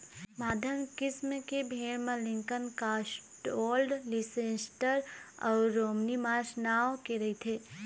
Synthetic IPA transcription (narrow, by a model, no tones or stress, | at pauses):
maːd̪ʱənkɪsmkebʱeːɽmə̃lɪ̃ŋkənkaːsʈoːlɖlisẽːsʈəɾɔːɾoːmnimaːɾsnaːwkeɾɐit̪ʰeː